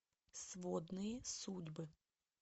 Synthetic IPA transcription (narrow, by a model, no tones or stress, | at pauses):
sʋɔd̪nʊjisudʲbɪ